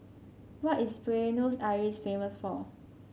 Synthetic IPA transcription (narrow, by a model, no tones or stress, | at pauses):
wɔtispɹenosaɹisfeməsfɔ